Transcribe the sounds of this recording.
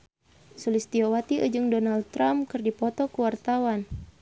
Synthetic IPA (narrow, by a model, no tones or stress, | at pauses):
sulist̪iowat̪iʔə̰d͡ʒɨŋdɔnald̚t̪ːɾamkɨrdipɔt̪ɔkəwart̪awan